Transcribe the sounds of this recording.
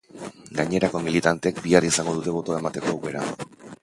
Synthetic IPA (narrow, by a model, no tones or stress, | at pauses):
ɡaɲe̞ɾako̞milit̪ant̪eekbiarisaŋɡo̞ðut̪e̞βo̞t̪oae̞mat̪e̞ko̞wɣe̞ɾa̰